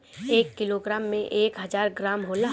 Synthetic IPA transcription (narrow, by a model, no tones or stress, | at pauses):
eːkːɪloːɡɾaːmːẽʔeːkɦɐzaːɾɡɾaːmɦoːla